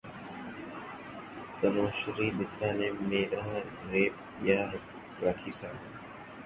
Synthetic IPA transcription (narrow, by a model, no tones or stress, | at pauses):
t̪ənõːʃɪɾiːɗ̪ɪt̪ːãːnẽːmeːɾaːɦɾːeːp̚ | jaːɾ | ɾaːkʰiːsa̰ː